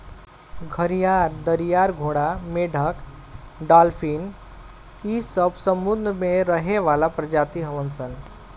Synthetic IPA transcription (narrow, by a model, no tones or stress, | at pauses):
ɡʱəɾijaɾd̪əɾijaɾɡʱoɽameɖʱək | ɖalfiːn | isəbsəmbud̪nəmeɾəɦeʋalapɾəd͡ʒat̪iɦəʋənsən